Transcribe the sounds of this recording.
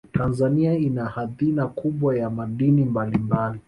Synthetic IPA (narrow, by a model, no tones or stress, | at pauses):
tʰanzaniainahaðinakuɓwajamaɗinimbalimbali